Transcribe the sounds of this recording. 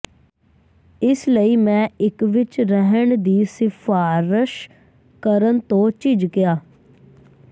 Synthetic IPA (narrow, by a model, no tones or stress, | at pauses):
ɪsləiːmɛ̃ːɪkʋɪt͡ʃɾəɦəɳd̪iːsɪpʰaːɾəʃ | kəɾənt̪õːt͡ʃɪd͡ʒkɪaː